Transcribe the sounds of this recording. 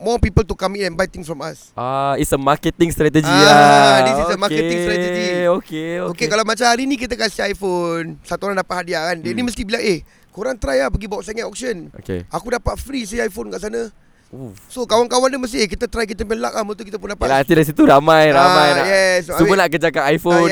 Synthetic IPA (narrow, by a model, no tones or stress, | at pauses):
mɔpipəlt̪ukamitɛnbajt̪ɪŋsfɾɔma̰s | aisəmakət̪ɪŋst̪ɾat̪əd͡ʒiaaisisəmaɾket̪ɪŋst̪ɾɛəd͡ʒiokeookekalawmat͡ʃamhaɾinĩk̬it̪əkasiajfonsat̪uoɾaŋdapat̪ʔhadiaandɛnĩməst̪ibilaŋeh | koɾaŋt̪ɾajahpəɡibawaʔsaŋɛt̪ɔk̚səno̰kḛakudapat̪̚fɾis̬iajfonkaʔsanə | usokawankawanduməs̬t̪ikit̪at̪ɾajk̬it̪əpɛnlakahmə̃nt̪ukit̪ap̬ʊndapalat̪idaɾis̬it̪uɾamãjɾamajnajɛsauənaʔkəd͡ʒakanajfo